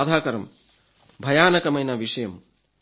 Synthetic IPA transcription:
d̪ʱaːkɐɾɐm | bʱɐjaːnɐkɐmɐjnɐʋiʂɐjɐm

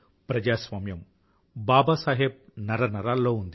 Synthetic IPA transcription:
pɾɐd͡ʒaːsʋaːmjɐm | baːbɐsaːɦeb̚nɐɾɐnɐɾaːlːo̞ːund̪i

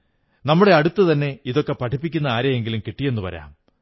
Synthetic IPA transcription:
nɐmːuɽe̞ɐɽut̪ːɨt̪ɐnːe̞iðo̞kːe̞pɐʈʰipːikʲːunːɐaːɾjɐjeŋɡilumkiʈːijenːupɐ̰ɾɐ̰ja̰ːm

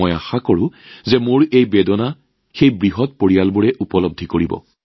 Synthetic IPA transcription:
ɔja̰xakoɹʊ̃zɛmʊɹejbɛdɔna | xejbɹiɦɔtpoɹijalbuɹɛʔupɔlɔb̚d̪ʱikoɹibɔ̰

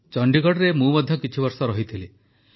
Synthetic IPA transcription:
t͡ʃɔɳɖikɔɽɔɾemũmɔd̪ʱjɔkit͡ʃʰibɔɾsɔɾɔɦit̪ʰile

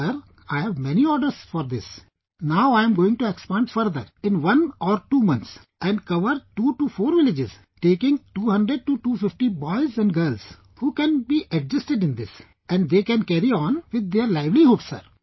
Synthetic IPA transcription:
əɾ | aɪhɛʋmɛniɔːɾɖəɾsfɔːɾd̪ɪs | naʊaɪə̃mɡoːɪ̃ŋɡʈuekspɛ̃ɳʈfəɾd̪əɾɪ̃nʋʌ̃nɔːɾʈuːmʌ̃nt̪s | ʔɛ̃ɳɖkʌʋəɾʈuːʈufoːɾʋɪlɪd͡ʒɪz | ʈeːkɪ̃ŋɡʈuːhʌ̃ɳɖɾeɖ̚ʈuʈuːfɪfʈibɔɪzɛ̃ɳɖɡəɾlz | huːkɛ̃nbiːʔɛɖ̚d͡ʒɪsʈɪɖɪ̃nd̪ɪs | ɛ̃ɳɖd̪eːkɛ̃nkɛɾiɔ̃ːnʋɪd̪̚ːeəɾlaɪʋliɦoːpsə̰ɾ

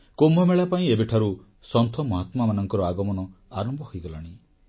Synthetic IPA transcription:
kombʱɔmeɭapaĩebeʈʰaɾu | sɔnt̪ʰɔmɔɦat̪mamanɔŋkɔɾɔaɡɔmɔnɔ | aɾɔmbɔhɔjɡɔlaɽ̃i

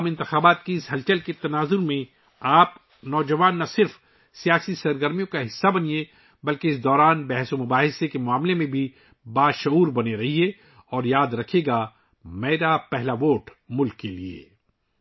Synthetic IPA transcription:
mɪ̃nt̪ɪxaːbaːt̪kiɪsɦɐlt͡ʃəlket̪ɐnaːzʊɾmẽ | aːp | nɔːd͡ʒɐʋaːnːɐsɪɾf | sijaːsisɐɾɡəɾmijõkaɦɪsːabɐnie | bɐlkeɪs̬d̪ɔːɾaːnbɛɦsomʊbaːɦɪsekemʊaːmlemẽbʱi | baːʃʊuːɾbɐneɾɐɦiɛ | ɔːɾjaːd̪ɾɐkʰeːɡa | mɛːɾapɛɦlaʋoːʈ | mʊlkːeliḛː

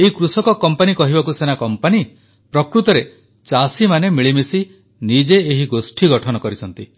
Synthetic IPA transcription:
eɦikɾusɔkɔkɔmpanikɔɦibakusenakɔmpani | pɾɔkɾut̪ɔɾe | t͡ʃasimanemiɭimisi | nid͡ʒeːɦiɡosʈʰiɡɔʈʰɔnɔkɔɾit͡ʃʰɔnt̪i

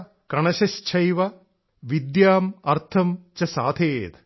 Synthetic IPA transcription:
kɐɳɐʃɐst͡ʃʰɐjʋɐ | ʋid̪jaːmɐɾt̪ʰɐmt͡ʃɐsaːd̪ʱʰeːt̪

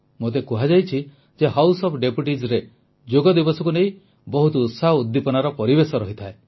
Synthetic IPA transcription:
mot̪̬ekuɦad͡ʒajt͡ʃʰi | d͡ʒeɦawsɔpʰɖepuʈizɾe | d͡ʒoɡɔd̪ibɔsɔkunej̃ | bɔɦut̪ɔut̪saɦɔud̪ːipɔnaɾɔpɔɾibesɔɾɔɦit̪ʰae

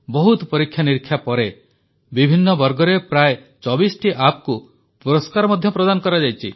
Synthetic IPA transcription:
bɔɦut̪ɔpɔɾikʰːjaniɾkʰːjapɔɾe | bibʱinːɔbɔɾɡɔɾepɾae | t͡ʃɔbisʈʰiʔapɔku | puɾɔskaɾɔmɔd̪ʱjɔpɾɔd̪anɔkɔɾad͡ʒajt͡ʃʰḭ

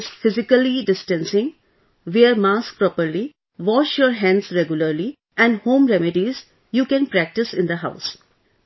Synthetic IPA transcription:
ɪzfɪzɪkəliɖɪsʈɛ̃nsɪ̃ŋ | ʋeəɾmaːsk̚pɾɔpəɾli | ʋɔːʃjɔːɾɦæ̃nɖsɾɛɡjʊləɾli | ʔɛ̃ɳɖhõːmɾɛmɪɖiz | juːkɛ̃npɾæk̚ʈɪsɪ̃nd̪əɦa̰ʊs

